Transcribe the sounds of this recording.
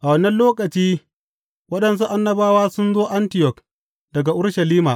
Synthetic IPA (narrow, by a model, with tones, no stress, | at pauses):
ʔa˨wɐ˨˦nɐ˦nloː˦kʼɐ˨t͡ʃiː˦ | wɐ˦ɗɐ˨ns̬u˦ʔa˦nːɐ˦baː˦waː˦sʊ˦nzoː˦ʔa˦ntɪ˨jɔ˨k | dɐ˨ɡa˨ʔʊ˦ɽʃɐ˨liː˦maː˨ʔ